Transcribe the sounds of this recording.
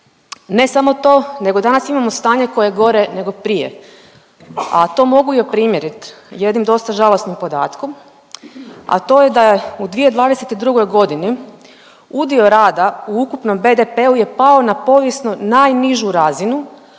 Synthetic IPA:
ne̞samo̞t̪o̞ːne̞ɡo̞d̪anasimamo̞st̪aːɲe̞ko̞jeɡo̞ɾene̞ɡo̞pɾijḛ | at̪o̞ːmo̞ɡujopɾimje̞ɾit̪je̞d̪nimd̪o̞st̪aʒalo̞snimpo̞d̪a̰ːt̪kom | a̰t̪o̞ːje̞d̪ajeud̪ʋije̞d̪ʋaːd̪eset̪id̪ɾuɡo̞jɡo̞d̪ini | ud̪io̞ɾaːd̪auukupno̞mbe̞d̪epe̞uje̞pao̞napo̞ːʋjesnonajniʒuɾazinu

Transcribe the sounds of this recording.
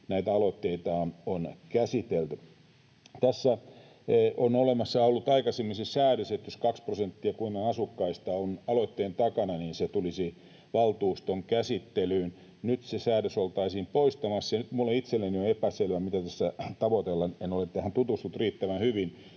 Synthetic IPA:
næit̪æɑlot̪ːeit̪ɑːnonkæsit̪elt̪y | t̪æsːæ | onolemɑsːɑolːut̪ɑikɑsemːisesæːɾøset̪joskɑksprosent̪ːiɑkuinonɑsukːɑist̪ɑonɑlot̪ːeːnt̪ɑkɑnɑniːnset̪ulisi | ʋɑlt̪uːst̪oŋkæsit̪ːelyːn | nyt̪sesæːɾøsolt̪ɑisiːmpoist̪ɑmɑsːjɑnyt̪mulːeit̪selːenioepæselʋæmit̪æt̪æsːæt̪ɑʋot̪elːɑnenolet̪t̪æhænt̪ut̪ust̪ut̪riːt̪ːæʋænhyʋin

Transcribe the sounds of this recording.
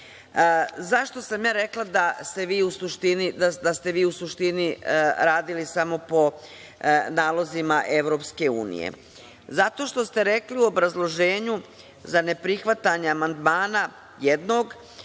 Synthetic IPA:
zaʃt̪o̞samjaːɾe̞klˠad̪ast̪e̞ʋiːusuʃt̪inid̪ad̪ast̪e̞ʋiːusuʃt̪iniɾaːd̪ilisamo̞po̞ | naːlˠo̞zimaʔe̞ʋɾo̞pske̞ṵːnḭjḛ | zat̪o̞ʃt̪o̞st̪e̞ɾe̞kliuo̞bɾazlˠo̞ʒe̞ːɲu | zane̞pɾixʋat̪aɲeamand̪maːna | jed̪no̞ːɡ

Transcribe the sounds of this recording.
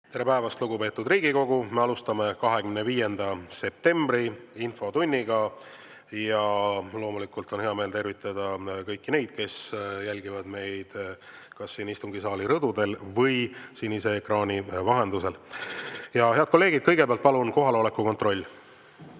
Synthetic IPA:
t̪e̞ɾepæevɑst̪luɡupe̞ːt̪ːˑud̪riːɡiko̞ɡume̞ɑlust̪ɑme̞kɑɦe̞ɡymneviːje̞nd̪ɑse̞p̚t̪e̞mbriinfo̞t̪unʲːiɡɑ | jɑlo̞ːmulikult̪o̞nheɑme̞ːlt̪e̞rvit̪ˑːɑd̪̥ɑkɤjkːine̞jd̪̥ke̞sjælʲɡivɑd̪̥me̞jd̪̥ | kɑsːiːnist̪uŋɡisɑːliɾɤd̪̥ud̪e̞lvɤjsinːise̞ːkrɑːnʲivɑɦe̞nd̪use̞l | jɑhe̞ɑd̪̥̚ko̞lːe̞ːɡ̥id̪̚kɤ̞jɡepeɑlt̪̚pɑlunko̞ɦɑlo̞le̞kːˑuko̞nt̪ro̞lʲː

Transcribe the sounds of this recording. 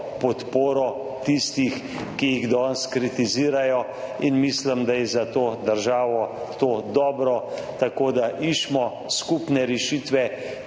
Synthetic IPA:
pɔt̪poːɾɔ | t̪ist̪ix | kijiɣd̪ɔnskɾit̪iziːɾajɔ | inmislimd̪ajɛzat̪oːd̪əɾʒaːʋɔ | t̪oːd̪ɔːbɾɔt̪akoːd̪aʔiʃmɔ | skupnɛɾɛʃiːt̪ʋɛ

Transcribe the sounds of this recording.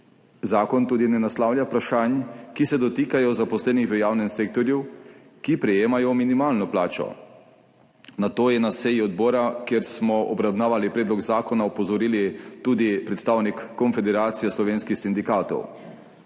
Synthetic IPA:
zaːkɔnt̪uːd̪inɛnaslaːwlʲjapɾaʃanjkisɛd̪ɔt̪iːkajɔzapɔslɛːnixʋəjaːwnɛmseːk̚t̪ɔɾju | kipɾɛjeːmajɔminimaːlnɔplaːt͡ʃɔ̰ | nat̪oːjɛnasɛjiɔd̪̚bɔːɾakjeɾsmɔɔbɾawnaːʋalipɾɛːd̪lɔɡzaːkɔnaɔpɔzɔɾiːlit̪uːd̪ipɾɛt̪st̪aːwnikːɔnfɛd̪ɛɾaːt̪sijɛslɔʋeːnskixsind̪ikaːt̪ɔ̰w

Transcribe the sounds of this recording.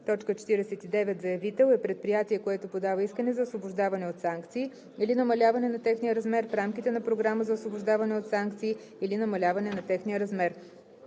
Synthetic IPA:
t̪ɔt͡ʃkət͡ʃɛ̥t̪iɾɛsɛt̪id̪ɛvɛt̪zɐjɐvit̪ɛlˠɛpɾɛt̪̚pɾijat̪iɛkoɛt̪opod̪avəiskənɛzɐosvobʊʒd̪avɐnɛot̪saŋkt̪siː | ilinɐmɐlʲavɐnɛnɐt̪ɛxniəɾɐzmɛɾfɾamkit̪ɛnɐpɾoɡɾaməzɐosvobʊʒd̪avɐnɛot̪saŋkt̪siː | linɐmɐlʲavɐnɛnɐt̪ɛxniəɾɐzmɛɾ

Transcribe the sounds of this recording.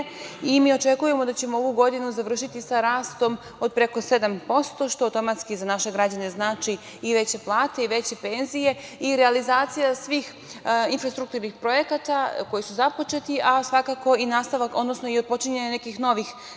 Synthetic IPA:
imiːo̞t͡ʃe̞kujemo̞d̪at͡ɕemooʋuɡo̞d̪inuzaʋr̩ʃit̪isaɾaːst̪o̞m | o̞d̪̚pɾe̞ko̞se̞d̪ampo̞st̪o̞ʃt̪oawt̪o̞mat̪skizanaʃe̞ɡɾad͡ʑane̞znaːt͡ʃiː | ʋe̞t͡ɕe̞plˠaːt̪e̞iʋe̞t͡ɕe̞pe̞nzije̞iɾealizaːt̪sijasʋiːx | infɾast̪ɾukt̪uɾnixpɾo̞je̞kat̪ako̞jisuzapo̞t͡ʃe̞t̪iʔasʋakako̞inaːst̪aʋako̞d̪nosnoiod̪̚po̞t͡ʃiɲeɲane̞kixno̞ʋix

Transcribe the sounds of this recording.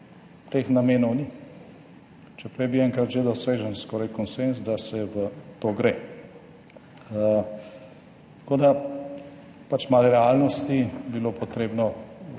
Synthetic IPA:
t̪eːxnameːnɔwni | t͡ʃɛpɾɛjbiɛŋkɾat̪ʒed̪ɔseːʒənskɔːɾajkɔnsenzd̪asɛʋət̪oɡɾeː | t̪ḁkoːd̪a | pat͡ʃmalɾɛalnɔst̪ibiloːpɔt̪ɾeːbnɔ

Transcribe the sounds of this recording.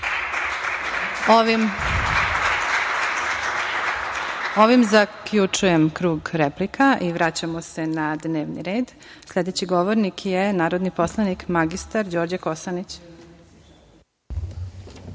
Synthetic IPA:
oʋimzakʎut͡ʂujemkɾuːɡɾeplikaʔiʋɾat͡ɕamose̞nad̪ne̞ːʋnḭɾe̞ːd̪ | slʎʲed̪et͡ɕiɡoʋoɾnikʰjenaːɾod̪nipo̞slˠanikmaɡist̪aɾd͡ʑoːɾd͡ʑakosanit͡ɕ

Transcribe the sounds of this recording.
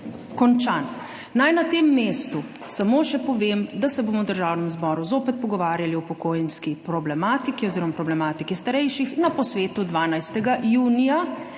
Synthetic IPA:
kɔnt͡ʃanː | ajnat̪emːeːst̪u | samoːʃɛpɔʋeːmd̪asɛboːmɔwd̪əɾʒawnɛmzbɔːɾuzoːpɛt̪̚pɔɡɔʋaːɾjaliɔpɔkoːjɛnskipɾɔblɛmaːt̪ikiɔziːɾɔmapɾɔblɛmaːt̪ikist̪aɾɛjʃixnapɔsʋeːt̪ud̪ʋaːnajst̪ɛɡaʔjuːnija

